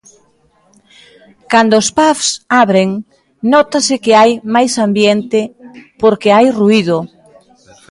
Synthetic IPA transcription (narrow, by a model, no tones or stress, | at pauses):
kand̪oːspafsaβɾeŋ | nɔt̪asɪkɪajmajsambjent̪ɪpoɾkɪajruiðʊ